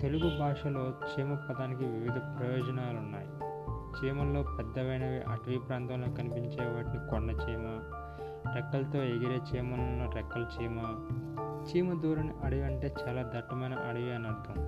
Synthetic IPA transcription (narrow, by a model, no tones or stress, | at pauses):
t̪eluɡubʱaːʂɐlo̞ːt͡ʃiːmɐpːɐd̪aːnikiʋiʋid̪ʱɐpɾɐjɔːd͡ʒɐnaːlunːa̰ːji | t͡ʃiːmɐnlo̞ːpɛd̪ːɐʋɐjnɐʋiːʔɐʈʋiːpɾaːnt̪ɐmlo̞ːkɐnipiɲt͡ʃeːʋaːʈinikɔɳɖɐt͡ʃiːmɐ | ɾɛkːɐlt̪o̞ːeɡiɾeːt͡ʃiːmɐnɐnːoɾɛkːɐlt͡ʃiːmɐ | t͡ʃiːmɐd̪uːɾɐniʔɐɽuʋɐɳʈe̞ːt͡ʃaːlaːd̪ɐʈːɐmɐjnɐ̰ʔɐɽuʋiɐnɐɾd̪ʱɐm